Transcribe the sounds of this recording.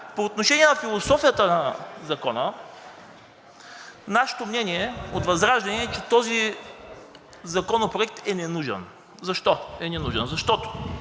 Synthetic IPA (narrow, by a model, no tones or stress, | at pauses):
poːt̪noʃɛniɛnɐfilˠosɔfijət̪ənɐzɐkɔnə | naʃɛ̥t̪omnʲɛniɛot̪vɐzɾaʒd̪ɐnɛːt͡ʃɛt̪ɔzi | zɐkɔnopɾoɛk̚t̪ɛnɛnuʒɛ̰n | zɐʃt̪ɔɛnɛnuʒɛ̰nzɐʃt̪ɔt̪o̥